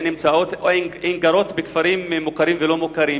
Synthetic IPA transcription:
nimt͡saot̪oenɡaɾo̞t̪bekfaɾimːukaɾimvelo̞mukaɾim

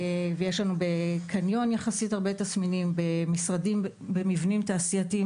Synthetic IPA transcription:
vejeʃlanube̞kʰanjo̞njaχasithaʁbe̞tasminimbemisʁadim | bemivnimtaːsiati

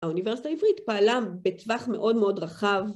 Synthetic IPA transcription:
aunivesitaivʁit̪paːlabetvaχme̞ʔo̞dmeo̞dʁaχav

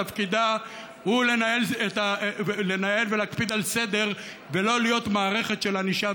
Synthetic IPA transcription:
afkid̪a | hule̞najelet̪ale̞naje̞lvelakpid̪alse̞d̪e̞ʁ | velo̞lijo̞t̪maːʁe̞χe̞t̪ʃe̞laniʃa

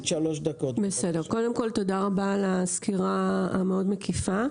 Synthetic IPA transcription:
ʃaloʃd̪akotbe̞se̞deko̞de̞mko̞lt̪o̞daʁabalaskiʁaa̰meo̞dmekifa

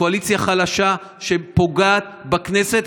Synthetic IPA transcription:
oalit͡sjaχalaʃa | ʃe̞po̞ɡaːt̪bakneset̪

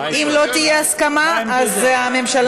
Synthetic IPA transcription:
ʔimlo̞t̪ijeaskamaazeame̞mʃal

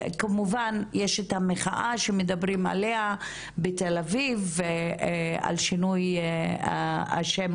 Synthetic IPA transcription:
kamuvanjeʃet̪ameχaʔaʃemedabʁima̰lea | betelavive | a̰lʃinujaa̰ʃem

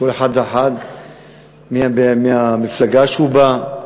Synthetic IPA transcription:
koleħad̪veħad̪ | miabmiamɪflaɡaʃuba

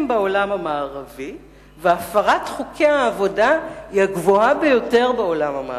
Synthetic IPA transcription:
mbao̞lamamaːʁavi | veafaʁatχukʰeaːvo̞daiaɡvoabejo̞te̞ʁbeo̞lamama̰

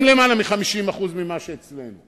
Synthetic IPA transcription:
mlemalamiχamiʃimaχuzmimaʃeet͡slḛnu

